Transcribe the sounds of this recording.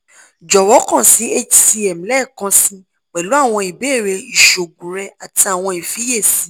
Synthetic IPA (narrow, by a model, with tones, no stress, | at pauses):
d͡ʒɔ˨wɔ˨˦kã˦˨si˨˦e˦d͡ʒi̥˨si˧ɛ˨mĩ˨˦lɛ˦˨kã˧sĩ˧ | k͡pɛ˨lu˨˦a˦˨w̃ɔ̃˧i˨be˦˨ɾe˧i˨ʃo˨ɡũ˨ɾɛ˧a˨ti˧a˨w̃ɔ̃˧i˨fi˨˦je˦˨sĩ˨˦